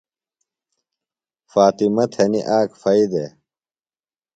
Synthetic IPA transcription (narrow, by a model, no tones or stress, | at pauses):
faːt̪imɐt̪ʰhɐniʔaːkfɐid̪e